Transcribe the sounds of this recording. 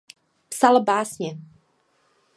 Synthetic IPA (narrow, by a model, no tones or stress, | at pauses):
psalbaːsɲɛ